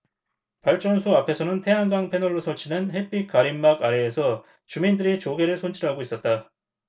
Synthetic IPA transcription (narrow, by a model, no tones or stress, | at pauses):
paɭt͡ɕ͈ʌnsʰuapʰe̞sʰʌnɯntʰe̞ɦaŋɡaŋpʰe̞nʌɭːosʰʌɭt͡ɕʰinɯnɦe̞p͈ikaɾimːaɡaɾe̞ːsʰʌ | t͡ɕumindɯɾit͡ɕoɡe̞ɾɯɭsʰont͡ɕʰiɾɦaɡois͈ʌt̚t͈a